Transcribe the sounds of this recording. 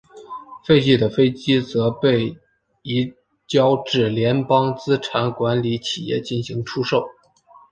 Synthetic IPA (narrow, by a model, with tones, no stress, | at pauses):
fe˥˧ɪt͡ɕi˥˩d̪ə˨fe˥ɪt͡ɕi˥t͡sɤ˧˥pe˥˩ɪ | i˧˥ | t͡ɕjɑ˥ʊʈ͡ʂɻ̩˥˩ljɛ˧˥npɑ˥ŋt͡sɹ̩˥ʈ͡ʂʰa˧˥nkwa˧˥nli˧˥t͡ɕʰi˨˩jɛ̰˥˧t͡ɕi˥˩nɕi˧˥ŋʈ͡ʂʰu˥ʂo˥˩ʊ